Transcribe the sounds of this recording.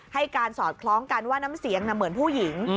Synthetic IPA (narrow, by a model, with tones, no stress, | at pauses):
ha˥˩jkaː˧nsɔː˨˩t̪̚kʰlɔː˦˥ŋka˧nwaː˥˩na˦˥msi˩˦əŋna˧mːɯ˩˦ənpʰuː˥˩ji˨˩˦ŋ